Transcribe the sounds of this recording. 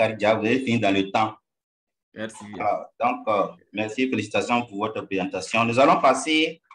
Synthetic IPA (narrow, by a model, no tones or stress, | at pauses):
aɾd͡ʒaveefĩd̪ãlət̪ã | alad̪ɔ̃k | mɛɾsifelisi̥t̪asjɔ̃vuvɔtəpɾizãt̪asjɔ̃nuzalɔ̃pase